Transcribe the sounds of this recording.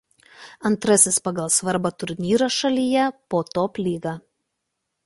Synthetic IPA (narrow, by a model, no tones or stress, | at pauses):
ɐnt̪ɾɐsʲɪspɐɡɐlˠsʋɐɾbɑt̪ʊɾʲnʲiːɾoʃɐlʲijɛpoːt̪oːpʲlʲiːɡɑː